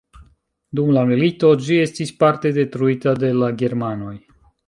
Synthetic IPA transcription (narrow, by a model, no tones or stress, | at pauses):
d̪umlamilit̪o̞d͡ʒie̞st̪isʲpaɾt̪e̞d̪e̞t̪ɾuit̪ad̪e̞laɡe̞ɾmano̞j